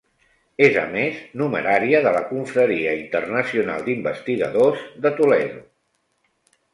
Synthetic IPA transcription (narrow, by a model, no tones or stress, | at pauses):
ezə̰meznuməɾaɾiəðələkuɱfɾəɾiəint̪ərnəsiuna̰lˠd̪imbəst̪iɣə̰ðozðət̪ulɛðu